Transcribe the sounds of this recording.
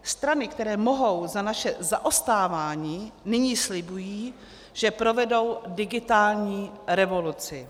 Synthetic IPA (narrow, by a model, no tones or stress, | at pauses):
st̪ɾanɪkt̪ɛɾɛːmo̞ɦo̞wzanaʃɛzaʔost̪aːvaːɲiːnɪɲiːslɪbujiː | ʒ̥ɛpɾo̞vɛdo̞wdɪɡɪt̪aːlɲiːɾɛvo̞lut͡sɪ